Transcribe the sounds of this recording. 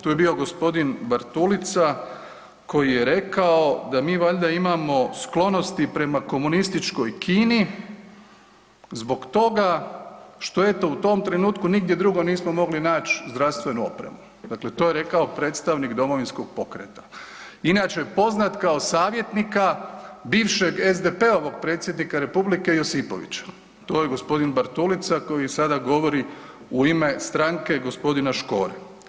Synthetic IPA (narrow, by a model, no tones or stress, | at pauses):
t̪uːje̞biːo̞ɡo̞spo̞d̪inbaɾt̪ulit̪sa | ko̞jijeɾe̞kaod̪amiːʋaʎd̪aimamo̞sklo̞no̞st̪ipɾe̞mako̞munist̪it͡ʃko̞jkʰiːni | zbo̞ɡt̪o̞ɡa | ʃt̪o̞e̞t̪o̞ut̪o̞mt̪ɾe̞nuːt̪kuniɡd̪je̞d̪ɾuɡo̞niːsmo̞mo̞ɡlinaːt͡ʃzd̪ɾaʋst̪ʋe̞nuo̞̰pɾḛmu | d̪akle̞t̪ojeɾe̞kao̞pɾe̞ːt̪st̪aʋnikd̪o̞mo̞ʋinsko̞ɡ̥̚po̞kɾḛt̪ḁ | inat͡ʃepo̞znat̪kao̞saːʋje̞t̪nikabiːʋʃe̞ɡezd̪epe̞o̞ʋo̞ɡ̚pɾe̞ːt̪sjed̪nikaɾe̞publike̞josipo̞̰ʋḭt͡ɕḁ | t̪o̞ːjeɡospo̞d̪inbaɾt̪ulit̪sako̞jisad̪aɡo̞ʋo̞ɾi | uime̞st̪ɾaŋke̞ɡo̞spo̞d̪inaʃko̞̰ːɾe